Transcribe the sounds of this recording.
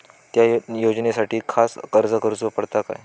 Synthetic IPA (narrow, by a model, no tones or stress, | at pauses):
t̪jajod͡ʑnesaʈʰiːkʰaskəɾd͡zəkəɾut͡sʋəpəɽt̪aka̰j